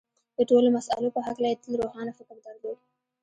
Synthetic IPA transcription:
d̪̥əʈolomasa̰lopəɦaklajet̪əlɾohɑnafɪkəɾd̪ɑɾloɾi

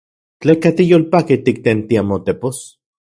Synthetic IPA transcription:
t͡ɬekat̪ijoːlpakit̪ik̚t̪ent̪iamot̪epos

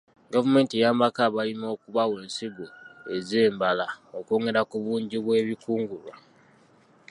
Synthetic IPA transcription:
ɡavume̞ːntijaːmbakaβalimo̞ːkuβawe̞ːnsiɡue̞zeːmbalao̞koːŋɡe̞ɾakuβuːɲɟiβwe̞ːβikuːŋɡulwa

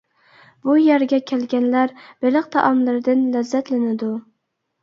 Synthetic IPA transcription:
b̥ujæɾɡʲɛkʲʰælɡʲænlæɾb̥elɨq̚t̪ʰɑ̰ʔɑmlɪɾd̪ɪnlæzːæt̪lɪnɪd̪ʊ

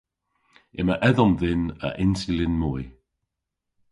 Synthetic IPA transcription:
ɪməʔɛðɔmðɪnə̰ʔɪnsɪlɪnmuj

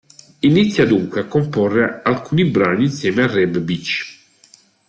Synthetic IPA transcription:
init̪sːjad̪uŋkweakːomporːealkuːnibɾaniːnsjɛːmearːɛbbit͡ʃː

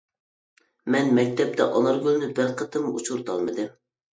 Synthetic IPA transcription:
mɛnmɛk̚ʲt̪ʰɛp̚t̪ʰɛ̰ʔɑnˠɑɾɡʲylnɪbæɾqʰət̪ɨmut͡ʃʰuɾt̪ʰɑlˠmɨd̪ɨm

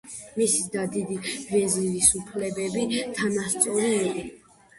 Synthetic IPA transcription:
misid̪ad̪id̪ivɛziɾisupʰlɛbɛbit̪ʰanast̪sʼɔɾiːɛ

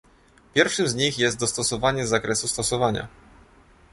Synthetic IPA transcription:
pʲjɛɾfʂɘmzɲixjɛst̪d̪ɔst̪ɔsɔvaɲɛzakɾɛsust̪ɔsɔvaɲa̰

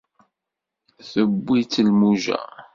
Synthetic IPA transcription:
θəbːit͡sːəlmuʒæ̰

